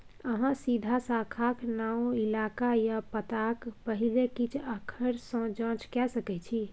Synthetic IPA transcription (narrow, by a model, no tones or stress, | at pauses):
əɦãsid̪ʱasakʰaknaũilakajapət̪akpəɦilekit͡ʃʰəkʰəɾsə̃d͡ʒə̃t͡ʃkɛsəkɛt͡ʃʰi